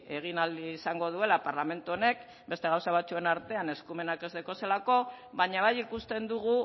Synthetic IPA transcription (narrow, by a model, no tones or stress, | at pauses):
e̞ɣ̞inald̪iːsaŋɡo̞ð̞ue̞lapaɾlame̞nt̪uo̞ne̞k | be̞st̪e̞ɣawsaβ̞at͡sue̞naɾt̪e̞ane̞skume̞nake̞zðeko̞se̞lako̞βaɲaβajikust̪e̞nd̪uɣ̞u